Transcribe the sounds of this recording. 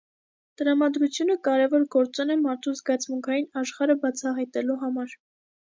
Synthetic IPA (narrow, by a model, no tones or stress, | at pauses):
t̪əɾɑmɑd̪ɾut͡sʰjunəkɑɾɛvɔɾɡɔɾt͡sunɛmɑɾt̪ʰuzɡɑt͡sʰmuŋkʰɑjinɑʃχɑɾəbɑt͡sʰɑɦɑjt̪ɛluɦɑmɑɾ